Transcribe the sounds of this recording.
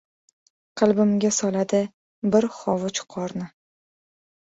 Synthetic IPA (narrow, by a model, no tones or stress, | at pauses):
qʰɨlˠbɪmɡʲasɒlad̪ɪ | bɪɾχɒvʊt͡ʃqʰɒɾnɪ